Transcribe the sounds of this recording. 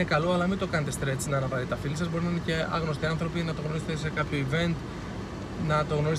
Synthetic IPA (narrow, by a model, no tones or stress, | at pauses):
ekɐlo̞ɐlɐmint̪o̞kɐnet̪e̞st̪ɾe̞t͡snɐːnɐvɐɾit̪ɐfilisɐzbo̞ɾinɐinece̞ɐ̰ɣno̞st̪iɐnθɾo̞pinɐt̪o̞ɣnoiset̪ese̞kɐpço̞ive̞nt̪ | nɐt̪o̞ɣno̞ɾis